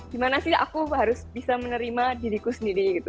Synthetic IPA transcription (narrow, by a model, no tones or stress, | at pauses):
d̥imanasɪha̰kuɦaɾʊsbisamənəɾimadidikusəndiɾiɡit̪u